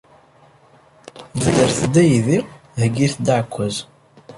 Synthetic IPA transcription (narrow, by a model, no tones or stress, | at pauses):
dədəɾθd̪æjði | həɡiθd̪aʕkʷːæz